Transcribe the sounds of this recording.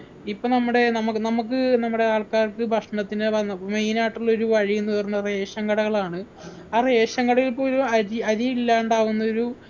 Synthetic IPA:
ipːoːnɐmːuɽe̞nɐmukːɨnɐmuk̬ːɨnɐmːuɽe̞aːɭkaːrkɨbʱɐʂɳɐt̪ːinemejnaːiʈːuɭːɐo̞ɾuʋɐɻijunːuʋɐrɐnːuɐreːɕɐŋɡɐɽɐɣɐɭaːɳɨ | aːreːɕɐŋɡɐɽɐɣilipːoːɾuɐɾiɐɾiilːaːɳɖaːʋunːɐo̞ɾu

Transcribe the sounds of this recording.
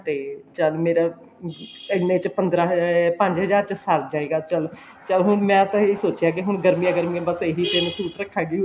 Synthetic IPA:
t̪eːt͡ʃəlmeːɾaː | ɪnːeːt͡ʃpənd̪ɾaːɦpə̃ɲd͡ʒɦəzaːɾt͡ʃəsəɾd͡ʒaːeːɡaːt͡ʃəl | t͡ʃəlɦʊnmɛ̃ːt̪ãiːsoːt͡ʃɪjaːk̬ɪɦʊɳɡəɾmijãːɡəɾmiãːbəseɦiːt̪eːnũːsuːt̪ɾəkʰːaːɡiu

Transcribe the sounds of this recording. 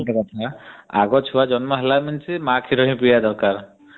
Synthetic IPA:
ʈakɔt̪ʰaa̰ɡɔt͡ʃʰuwad͡ʒɔnmɔɦelamint͡ʃimãkʰiɾɔɦĩpɾijad̪ɔɾkaɾ

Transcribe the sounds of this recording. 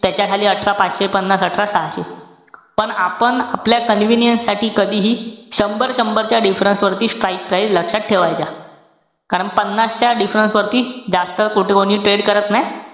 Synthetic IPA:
t̪jat͡ɕjakʰaliːəʈʰɾapat͡sɕepənːasəʈʰɾasaɕe | pəɳapəɳapljakənʋinjənsːaʈʰiːkəd̪ʱiːɦiːɕəmbəɾɕəmbəɾt͡ɕjaɖifɾənsʋəɾt̪iːsʈɾajk̚pɾajd͡zləkʂat̪̚ʈʰeʋajt͡sa | kaɾəɳpənːast͡ɕjaɖifɾənsʋəɾt̪iːd͡zast̪əkuʈʰekoɽ̃iːʈɾeɽkəɾət̪naj

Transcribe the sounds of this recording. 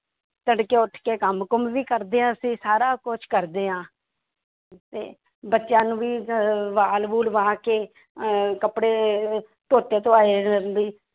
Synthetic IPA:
t̪əɳɖkeːʊʈʰkeːkəmkəmʋiːkəɾd̪eːãːəsĩːsaːɾaːkʊt͡ʃʰkəɾd̪eːɦãː | t̪ḛː | bətːʃjãːnũːʋiːʋaːlbuːlʋãːkeː | kəpɽeː | t̪oːt̪eːt̪oaːed̪iː

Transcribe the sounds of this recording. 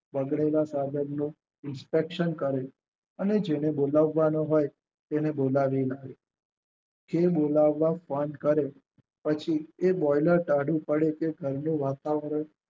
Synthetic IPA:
bəɡɽelasad̪ʱənnũ | ɪnspekʃənkəɾe | əned͡ʒenebolaʋːanoɦoj | t̪enebolaʋilaɡe | kebolaʋːafə̃ɳɖkəɾe | pət͡ʃʰiebɔjləɾʈaɽũpəɽekeɡʱəɾnũʋat̪aʋəɾəɳ

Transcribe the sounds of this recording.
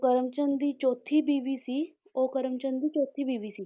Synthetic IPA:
kəɾəmt͡ʃənd̪iːt͡ʃoːt̪ʰːiːbiːʋiːsiː | oːkəɾəmt͡ʃənd̪iːt͡ʃoːt̪ʰːiːbiːʋiːsiː

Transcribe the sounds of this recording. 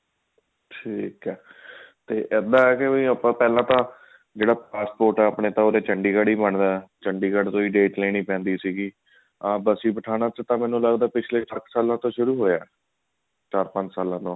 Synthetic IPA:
ʈʰiːkɛːt̪eːʔɛːd̪aːɛːkɪiːəpãːpɛːlãːt̪ãː | d͡ʒeːɽaːpaːspoːɾʈɛːaːpɳeːt̪ãːoːɾeːt͡ʃəɳɖiːɡəɽiːbəɳd̪aːɛt͡ʃəɳɖiːɡəɽt̪oːiːɖeːʈlẽːnĩːpɛ̃ːnd̪iːsiːɡiː | aːbəsiːbəʈʰaːnaːt͡ʃət̪ãːmɛːnũːləɡd̪aːpɪt͡ʃʰleːʈəksaːlãːt̪õːʃʊɾuːɦoːjaːɛ | t͡ʃaːɾpə̃ɲd͡ʒsaːlãːt̪õː

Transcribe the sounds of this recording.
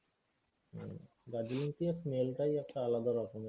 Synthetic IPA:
ɡad͡ʑilint̪iasmelʈajɛk̚ʈaalad̪aɾɔkome

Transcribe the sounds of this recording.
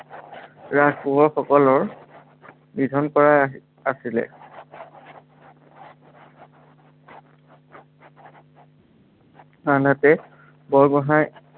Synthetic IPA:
ɹaspuɦɔɹxɔkɔlɔɹ | bidʱɔnkɔɹa | asilɛ̰ | anatɛ | bɔɹɡɔɦaj

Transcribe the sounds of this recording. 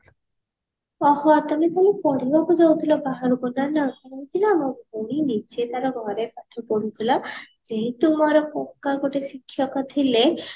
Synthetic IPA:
ɔhɔt̪amet̪alepɔɽibakud͡ʒawt̪ʰilabaɦaɾubɔnanaot̪inamoɡʱuɽ̃init͡ʃet̪aɾɔɡʱɔɾepaʈʰɔpɔɽut̪ʰila | d͡ʒeɦĩt̪umɔɾɔpɔkːaɡoʈesikʰːjɔkat̪ʰile

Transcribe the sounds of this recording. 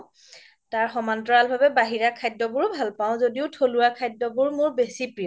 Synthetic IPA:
taɹxɔmantɔɹalbʱabɛbaɦiɹakʰajdɔbʊɹbʱalpaʊ̃zodiʊtʰoluakʰajdːɔbʊɹmʊɹbesipɹijɔ

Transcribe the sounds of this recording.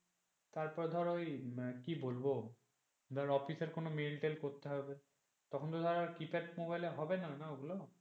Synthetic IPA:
t̪aɾpɔɾd̪ʱɔɾojkibolbo | d̪ʱaɾɔfiseɾkonomelʈelkoɾt̪eɦɔbe | t̪ɔkʰont̪od̪ʱaɾaɾkipeʈmobajleɦɔbenanaoɡulo

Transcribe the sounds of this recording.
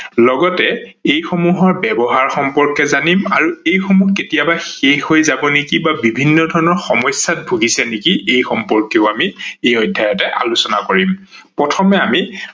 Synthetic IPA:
lɔɡɔtɛejxomuɦɔɹbɛbɔɦaɹxɔmpɔɹkɛzanima̰ɹuejxomuketijabaxexɦojzabɔnekibabibʱinːɔdʱɔɹɔnɔɹxɔmɔjsjat̚bʱuɡisɛnekiejxɔmpɔɹkeʊamiejɔjdʱːajɔtɛʔa̰lusɔnakoɹimpɹɔtʰɔmɛami

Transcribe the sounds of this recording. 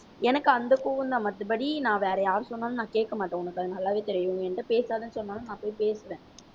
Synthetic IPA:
ɛnɐkːɯɐnd̪ɐkuːʋɯnd̪aːmɐt̪ːɯpɐɽinãːʋeːɾɐjaːɾɯsɔnːaːnɯnãːkeːʈ̚kːɐmaːʈːõːʊnɐkːɐðɯnɐlːaːʋeːt̪ɛɾɪjʋɯŋɡɛnɖɯpeːsaːðɯnːɯsɔnːaːlɐnãːpoːjpeːsɯʋẽː

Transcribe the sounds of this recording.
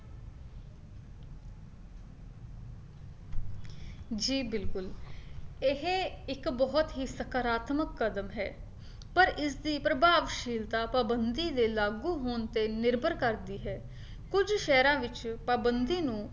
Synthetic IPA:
d͡ʒiːbɪlkʊl | ɪɦeɪkbɔːɔt̪ɦiːsəkaɾaːt̪məkːəd̪əmɦɛ̰ː | pəɾʔɪsd̪iːpɾəbʱaːʋʃiːlt̪aːpaːbənd̪iːd̪eːlaːɡuːɦoːnt̪eːnɪɾbʱəɾkəɾd̪iːɦɛː | kʊd͡ʒʃɛːɾãːʋɪt͡ʃpaːbənd̪iːnũː

